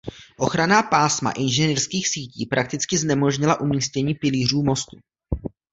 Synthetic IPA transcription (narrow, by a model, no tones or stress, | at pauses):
ʔo̞xɾanaːpaːsma̰ʔɪnʒɛniːrskiːxsiːciːpɾak̚t̪ɪt͡skɪznɛmo̞ʒɲɪlaʔumiːscɛɲiːpɪliːruːmo̞st̪u